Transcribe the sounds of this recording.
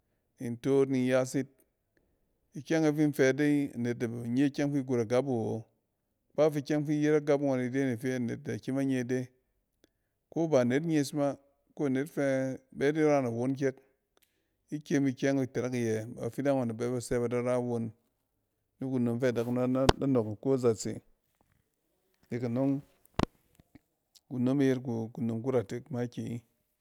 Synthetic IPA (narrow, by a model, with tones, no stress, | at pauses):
i˨n˨to˦tni˨˦ja˦si˦t̚ | i˨kʲe˦ŋa˦fi˦n̩˦fe˨de˦i˦a̰˨ne˨t̚da˨ba˨ɲe˦kʲe˦ŋfi˦ɡu˨ɾa˨ɡa˦bu˨wo˨ | k͡pa˦fi˦kʲe˦ŋfi˦je˦ɾa˦ɡa˦pŋʷa˨ni˨de˦ni˨fe˦a˨nḛ˨t̚da˨kʲi˦ma˦ɲe˦˨de˦ | ko˦ba˨ne˨˦t̬ɲe˦si˦ma˦ | ko˦a˨ne˦tfɛ˦be˦di˦ɾa˦na˨wo˦nk̬ʲe˦k̚ | i˦kʲe˦mi˧kʲe˦ŋi˨te˨ɾe˦ki˨jɛ˨ba˨fi˦da˦ŋʷa˨na˨be˦ba˨se˦ba˨da˦ɾa˦wo˧nː | i˦ku˨no˨mfe˦˨da˨kn˦a˦no˨kko˦za˨t͡sḛ˨ | ni˨ka˨no˦ŋ | ku˨no˦me˦je˦ɾku˨ku˨no˨mk̬u˦ɾa˨te˦kma˦kʲe˨i˦